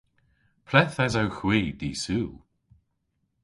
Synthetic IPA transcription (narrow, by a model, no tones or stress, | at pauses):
pʰlɛθɛzawxwiːd̪iːsuːlˠ